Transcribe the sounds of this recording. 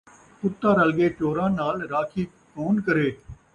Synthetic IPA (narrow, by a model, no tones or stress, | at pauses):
pʊt̪ːaːɾəlɡeːt͡ʃoːɾãːnaːlɾaːkʰiː | koːnkəɾeː